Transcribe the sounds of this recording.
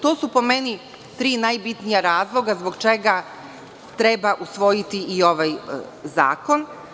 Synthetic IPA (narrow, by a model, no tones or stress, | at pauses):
t̪o̞ːsupo̞me̞ni | t̪ɾiːnajbit̪nijaɾaːzlˠo̞ɡazbo̞ɡt͡ʃe̞ɡa | t̪ɾe̞baʔusʋo̞jit̪iːo̞ʋajza̰ːko̞n